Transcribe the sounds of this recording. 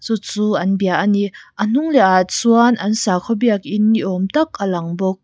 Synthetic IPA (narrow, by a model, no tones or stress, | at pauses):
t͡sut͡suːʔɐnbiaʔaniʔən̥uŋlɛʔatsuanʔɐnsaːkʰɔbiakʔinːiʔɔmt̪ak̚ʔalɐŋbɔk̚